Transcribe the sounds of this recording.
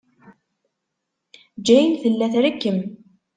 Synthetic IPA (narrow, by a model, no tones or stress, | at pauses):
d͡ʒæjənθəlːæθɾəkːəm